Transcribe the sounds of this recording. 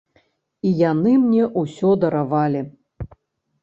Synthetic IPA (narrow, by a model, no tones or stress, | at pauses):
ijanɨmnʲɛʔusʲɔd̪ɐɾavalʲi